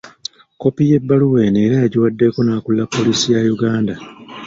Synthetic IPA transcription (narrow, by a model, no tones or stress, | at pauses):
ko̞pije̞bːaluwe̞neːɾajaɟiwadːe̞ko̞naːkulːapːo̞liːsijajuɡaːnda